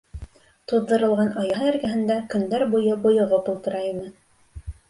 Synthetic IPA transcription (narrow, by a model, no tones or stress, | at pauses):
t̪ŏðːɤ̆ɾɤ̆lˠʁɑnɑjɑɦ̪æɾɡæɦɘ̆nd̪ækɵ̆nd̪æɾbujɤbŏjɤ̆ʁɤpulˠt̪ɤ̆ɾɑjinɤ